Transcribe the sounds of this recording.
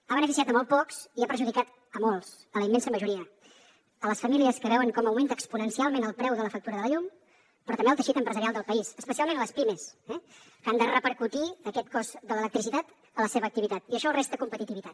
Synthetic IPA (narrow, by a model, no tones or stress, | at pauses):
aβənəfisijat̪əmɔlˠt̪̚pɔksiapəɾʒuðikat̪ | əmɔlˠsələimːɛnsəməʒuɾiə | ələsfəmiliəskəβɛwəŋkɔməwment̪əkspunənsialˠmenəlˠpɾɛwðələfək̚t̪uɾəðələʎum | pɾɔt̪əmbeəlˠt̪əʃit̪əmpɾəzəɾialˠd̪əlˠpəisəspəsialˠmenələspiməsɛ | kand̪ərəpəɾkut̪iəkɛt̪kɔzd̪ələlək̚t̪ɾisit̪at̪ | ələseβəːk̚t̪iβit̪at̪iəʃɔəlˠrest̪əkumpət̪it̪iβit̪at̪